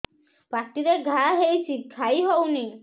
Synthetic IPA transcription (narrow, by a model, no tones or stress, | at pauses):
pɾakt̪iɾeɡʱaɦejt͡ʃʰikʰajɦɔwni